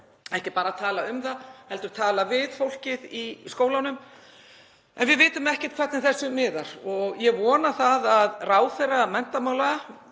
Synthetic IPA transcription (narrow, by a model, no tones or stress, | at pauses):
ɛhcɪpaːɾat̪ʰaːlaʏmθahɛlt̪ʏɾ̥t̪ʰaːlavɪðfowl̥cɪðiskoːwlanʏm | ɛ̰nvɪðvɪːt̪ʏmɛhcɛ̥t̪̚kʰvɛt̪nɪθɛsːʏmɪːðaɾ̥ɔɣjɛvɔːnaθaðaðraːwθejramɛn̥t̪amaːwlaa